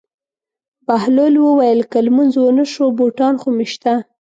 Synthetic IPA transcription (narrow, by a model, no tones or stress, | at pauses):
bahlolwəwajəlkalmunzwənəʃoboʈɑnxomeʃt̪a